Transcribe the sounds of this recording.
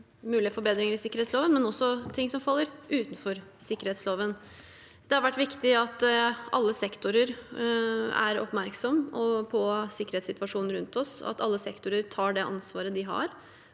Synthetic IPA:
mʉːlɪəfɔɾbeːd̪ɾɪŋəɾɪsɪkəɾɛːt̪sloːʋənmɛnɔsːɔt̪ʰɪŋsɔmfɑlːəɾʉːt̪n̩fɔɾsɪkːəɾheːt̪sloːʋən | d̪ɛhɑɾʋæʈːʋɪkt̪ɪɑt̪ɑ̰lːəsɛkt̪ʊɾəɾ | æ̰ɾɔ̰pmæɾksɔmːɔpʰɔsɪkːəɾeːt̪sɪt̪ʋɑʂuːnn̩ɾʉnt̪ɔsɑ̰t̪ɑlːəsɛkt̪ʊɾəɾt̪ʰɑːɖɛʔɑ̰nsʋɑːɾəd̪ɪɦɑ̰ɾ

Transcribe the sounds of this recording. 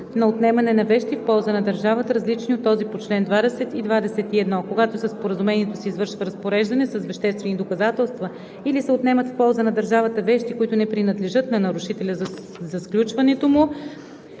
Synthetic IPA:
nɐot̪nɛmɐnɛnɐvɛʃt̪ifpɔlˠzənɐd̪ɐɾʒavət̪ɾɐzlit͡ʃniot̪ːɔzipot͡ʃlɛnd̪vad̪ɛsɛt̪id̪vad̪ɛsɛt̪iɛd̪nɔkoɡat̪osəspoɾəzumɛniɛt̪osɛizvɤɾʃvɐɾɐspoɾɛʒd̪ɐnɛsɐsvɛʃt̪ɛst̪vɛnid̪okɐzat̪ɛlˠst̪və | ilisɛot̪nɛmət̪fpɔlˠzənɐd̪ɐɾʒavət̪əvɛʃt̪ikoit̪ʊnɛpɾinɐd̪lɛʒɤt̪nɐnɐɾʊʃit̪ɛlʲəz | zɐsklʲut͡ʃvɐnɛt̪omʊ

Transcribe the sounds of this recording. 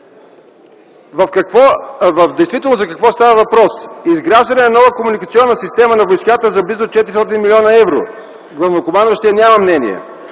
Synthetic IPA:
vɐfkɐkvɔvɐfd̪ɛjst̪vit̪ɛlˠnozɐkɐkvɔst̪avəvɐpɾɔsizɡɾaʒd̪ənɛnɐnɔvəkomunikɐt̪siɔnːəsist̪ɛmənɐvojskat̪əzɐblizot̪̚t͡ʃɛt̪iɾist̪ɔt̪inmilʲɔnəɛvɾo̰ | ɡlˠɐvnokʊmanʃt̪iənʲaməmnɛnḭɛ̰

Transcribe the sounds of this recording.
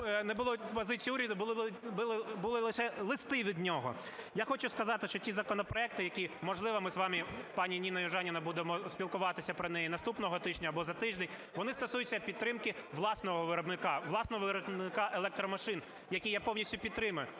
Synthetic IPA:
nɛbʊlˠɔpɔzɪt͡sʲijːuɾʲɐd̪ʊbʊblˠɪbʊlˠɪlˠɪʃɛlˠɪst̪ɪʋʲid̪nʲɔɦɔ̰ | jaxɔt͡ʃʊskɐzɑt̪ɪʃt͡ʃɔtʲizɐkɔnɔpɾɔɛk̚t̪ɪjɐkʲimɔʒlˠɪʋɐmɪzʋɑmipɑnʲinʲinɐjʊʒɑnʲɪnɐbud̪emɔspʲilˠkʊʋɑt̪ɪsʲɐpɾɔnɛjinɐst̪upnɔɦɔt̪ɪʒʲnʲɐːbɔzɐt̪ɪʒd̪ʲɛnʲ | ʋɔnɪst̪ɔsujʊt͡sʲːɐpʲid̪t̪ːɾɪmkɪʋlˠɑsnɔɦɔʋɪɾɔbnɪkɑʋlˠɑsnɔɦɔʋɪɾɔbnɪkɑʔelˠɛk̚t̪ɾɔmɐʃɪn | jɐkʲijapɔwnʲisʲtʲʊpʲid̪t̪ːɾɪmɐjʊ

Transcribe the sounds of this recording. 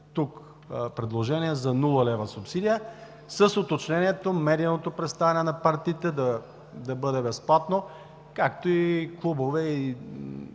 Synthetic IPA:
t̪uk | pɾɛd̪lˠoʒɛniɛzɐnulˠəlɛvɐsʊpsid̪ijə | səsot̪ot͡ʃnɛniɛt̪omɛd̪inot̪opɾɛt̪st̪avʲɛnɛnɐpaɾt̪iːt̪ɛd̪ɐ | d̪ɐbɤd̪ɛbɛsplˠat̪no | kakt̪oiklˠubovɛi

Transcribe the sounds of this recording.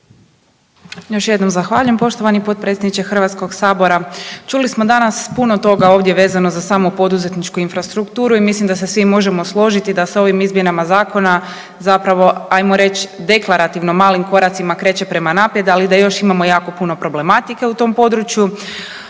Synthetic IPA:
jo̞ʃje̞d̪no̞mzaxʋaːʎujempo̞ʃt̪o̞ʋanipo̞t̪̚pɾet̪sed̪nit͡ʃe̞xr̩ʋat̪sko̞ɡsaːbo̞ɾat͡ʃulismo̞d̪anaspuno̞t̪o̞ɡao̞ːʋd̪je̞ʋe̞ːzano̞zasaːmupo̞d̪uze̞t̪nit͡ʃkuinfɾast̪ɾukt̪uːɾuimislimd̪asesʋimo̞ʒemo̞slˠo̞ʒit̪id̪aso̞ʋimizmje̞namazaːko̞na | zapɾaʋo̞ajmo̞ɾe̞t͡ʃd̪e̞klˠaɾat̪iʋno̞maːlimko̞ɾat̪simakɾe̞ːt͡ʃe̞pɾe̞manaːpje̞d̪alid̪ajo̞ʃimamo̞jaːko̞puno̞pɾo̞ble̞mat̪ike̞ut̪o̞mpo̞d̪ɾut͡ʃju

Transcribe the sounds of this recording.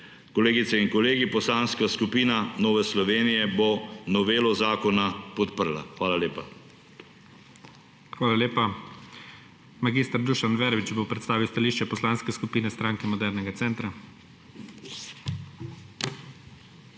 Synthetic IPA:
kɔleːɡit̪sɛinkɔleːɡipɔslaːnskaskupiːnanoːʋɛslɔʋeːnijɛbonɔʋeːlɔzaːkɔnapɔt̪pəɾla̰xʋaːlaleːpa | xʋaːlaleːpa | maɡist̪əɾd̪uʃanʋɛɾʋit͡ʃbowpɾɛt̪st̪aːʋiwst̪aliːʃt͡ʃɛpɔslaːnskɛskupiːnɛst̪ɾaːŋkɛmɔd̪ɛɾnɛɡat̪sɛːnt̪ɾa

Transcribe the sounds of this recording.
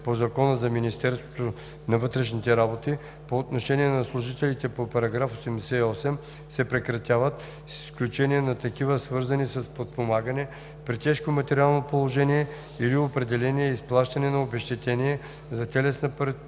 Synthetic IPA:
pozɐkɔnəzɐminist̪ɛɾst̪vot̪o | nɐvɤt̪ɾɛʃnit̪ɛɾabot̪i | poːt̪noʃɛniɛnɐslˠʊʒit̪ɛlit̪ɛpopɐɾɐɡɾafosɛmd̪ɛsɛiɔsɛm | sɛpɾɛkɾɐt̪ʲavət̪ | sisklʲut͡ʃɛniɛnɐt̪ɐkivəsvɤɾzɐnisɐspot̪̚pomaɡənɛ | pɾit̪ɛʃkomɐt̪ɛɾʲialˠnopolˠoʒɛnijɛ | iliopɾɛd̪ɛlɛniɛisplˠaʃt̪ɐnɛnɐobɛʃt̪ɛt̪ɛniɛ | zɐt̪ɛlɛsnɐpɾɛ

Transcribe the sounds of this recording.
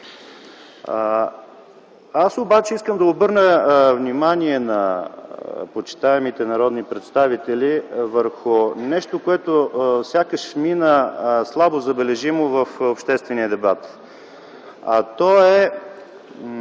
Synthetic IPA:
asobat͡ʃɛiskəmd̪ɐobɤɾnəvnimaniɛnɐ | pot͡ʃi̥t̪aɛmit̪ɛnɐɾɔd̪nipɾɛt̪st̪avit̪ɛlʲivəɾxʊnɛʃt̪okoɛt̪osʲakəʃminəslˠabozɐbɛlɛʒimovəfopʃt̪ɛst̪vɛnijəd̪ɛbat̪ | ɐt̪ɔɛ

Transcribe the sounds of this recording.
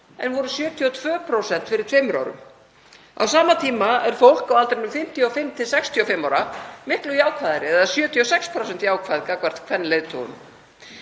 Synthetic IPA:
ɛ̰nvɔɾʏsjœːt̪ʰiɔt̪ʰv̥œːpʰɾowsɛn̥t̪fɪɾɪɾ̥t̪ʰfvɛmɾa̰wɾʏ̰m | a̰wsaːmat̪ʰiːmaɛɾ̥fowl̥kawalt̪ɾɪmnʏmfɪm̥t̪ʰjɔɔfɪmːt̪ʰɪlsɛkst̪ʰjɔɔfɪmːawɾamɪhklʏjaːwkʰvaːðɪɾɪɛðasjœːt̪ʰiɔsɛkspʰɾowsɛnt̪jaːwkʰvaːðɪkakvaɾ̥t̪kʰvɛnːleːjðt̪ʰo̰wʏ̰m

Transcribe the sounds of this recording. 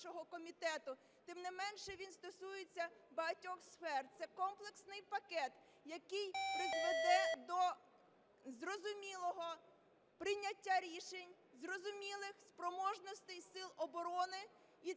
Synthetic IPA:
ʃɔɦɔkɔmʲit̪ɛt̪ʊ | t̪ɪmnɪmɛnʃɛʋʲinst̪ɔsujet͡sʲːɐbɐɦɐtʲɔxsfɛrt̪sɛkɔmplˠeksnɪjpɐkɛt̪ | jɐkɪjpɾɪzʋed̪ɛd̪ɔ | zrɔzʊmʲilˠɔɦɔ | pɾɪnʲːɐtʲːaɾʲiʃenʲ | zrɔzʊmʲilˠɪxspɾɔmɔʒnɔst̪ɪjsɪlˠɔbɔɾɔnɪ | i

